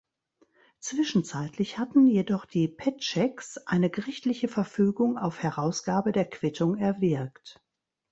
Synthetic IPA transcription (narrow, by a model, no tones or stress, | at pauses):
t͡sv̥ɪʃn̩t͡saɪtlɪçhatn̩jedɔχd̥iːpʰɛtt͡ʃɛksʔa̰ɪnəɡəʁɪçtlɪçəfɛɐfyːɡʊŋaʊfhɛɐʁaʊsɡ̥aːbədeːɐkʰv̥ɪtʰʊŋɛɐvɪɐkt